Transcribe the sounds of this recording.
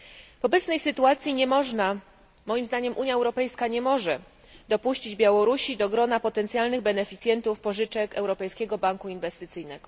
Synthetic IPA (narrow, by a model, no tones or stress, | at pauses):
vɔbɛt̪snɛjsɘt̪uat̪sʲjiɲɛmɔʐna | mɔjimzd̪aɲɛmʔuɲjaɛwɾɔpɛjskaɲɛmɔʐɛ | d̪ɔpuɕt͡ɕid͡ʑbʲjawɔɾuɕid̪ɔɡɾɔnapɔt̪ɛnt̪sjalnɘɣbɛnɛfʲit̪sʲjɛnt̪ufpɔʐɘt͡ʂɛkɛwɾɔpɛjskʲɛɡɔbaŋkuinvɛst̪ɘt̪sɘjnɛɡ̥ɔ